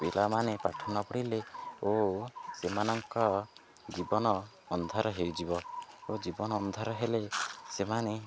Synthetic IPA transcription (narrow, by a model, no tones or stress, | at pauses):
bilʔamanepaʈʰɔnɔpɔɽileosemanɔŋkɔ | d͡ʒibɔnɔː | nd̪ʱɔɾɔɦewd͡ʒibɔod͡ʒibɔnɔːnd̪ʱɔɾɔɦelesemane